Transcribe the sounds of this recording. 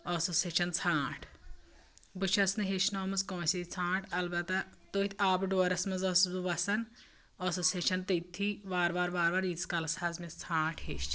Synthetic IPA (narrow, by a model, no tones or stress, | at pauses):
ɔsoːseːt͡ʃʰɐnt͡sʰãːʈʰ | bɨt͡ʃʰɐsnɨɦet͡ʃnoːmɐzkõːsʲit͡sʰãːʈʰɐlbɐt̪ɐt̪oːt̪ʰʲaːbɖoːɾɐsmɐzɔːszuʋɐsɐn | ɐsoːseːt͡ʃʰɐnt̪ɐt̪ʰːiʋaːɾʋaːɾʋaːɾʋaːɾiːskɐlɐsaːzmist͡sʰãːʈʰheːʃt͡ʃ